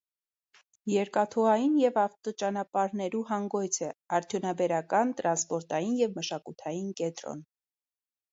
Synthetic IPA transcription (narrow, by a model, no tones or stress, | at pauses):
jɛɾkɑt̪ʰɔɑjinjɛvɑft̪ɔt͡ʃɑnɑpɑɾnɛɾuɦɑŋɡɔjt͡sʰɛɑɾt̪ʰjunɑbɛɾɑkɑnt̪ɾɑnspɔɾt̪ɑjinjɛvməʃɑkut̪ʰɑjinkɛnt̪ɾɔ̰n